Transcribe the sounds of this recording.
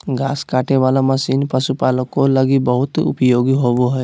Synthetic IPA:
ɡaːskaːʈeʋaːlamɐsiːnpəsupaːlõkolɐɡibəɦʊt̪ʊ̰pjoːɡiɦoːboɦɛ

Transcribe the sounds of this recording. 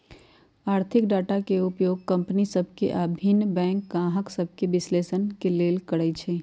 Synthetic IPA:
aːɾt̪ʰɪkɖaːʈakeʊpjoːɡ̚kɐ̃mpnisɐb̚ʱkḛʔabʱinbɛ̃ːŋkɡãːɦəksɐb̚ʱkeʋɪsleːsənkeleːlkəɽəit͡ʃʰeː

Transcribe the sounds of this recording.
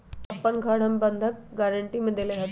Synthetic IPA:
ɐpːənɡʱaɽ̤əmbənd̪ʱək̚ɡaɾəɳʈiməd̪ʱːjeleɡʱat̪

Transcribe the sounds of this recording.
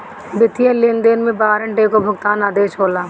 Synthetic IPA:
bɪt̪ijəlend̪eːnmẽbaːɾɐ̃ɳʈeːkobʱʊɡt̪aːnaːd̪eːʃɦoːlaː

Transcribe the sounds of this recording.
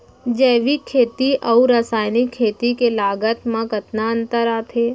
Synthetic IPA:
d͡ʒɛːʋikʰːeːt̪iʔɐuɾasaːjnikʰːeːt̪ikelaːɡət̪mãkət̪naə̃nt̪əɾaːt̪ʰeː

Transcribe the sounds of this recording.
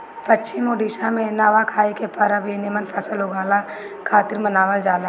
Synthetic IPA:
pɐtːʃʰimoːɖiːʃamẽnaʋakʰaːikepɐɾabʱinɪmənpʰɐsəloɡaːla | kʰaːt̪ɪɾmənaːʋəld͡ʒaːla

